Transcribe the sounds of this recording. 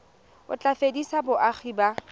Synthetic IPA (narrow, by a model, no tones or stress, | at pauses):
ʊ̰t͡ɬʼafedisabʊʔak͡xʰiːba